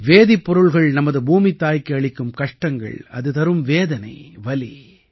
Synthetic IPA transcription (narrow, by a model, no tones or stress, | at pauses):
ʋeːðipːɔɾɯɭɣɐɭnɐmɐðɯbuːmɪt̪ːaːjkːɯɐɭɪkːɯmkɐʂʈɐŋɡɐ̰ɭɐ̰ðɯt̪ɐɾɯmʋeːðɐnɐ̰ɪʋɐlḭ